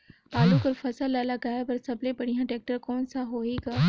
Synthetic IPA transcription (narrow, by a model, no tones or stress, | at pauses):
aːlukɐɾfɐsəlalaɡaːepɐɾsɐblepɐɽiɦãʈeːk̚ʈəɾkɔːnsãɦoːiɡaː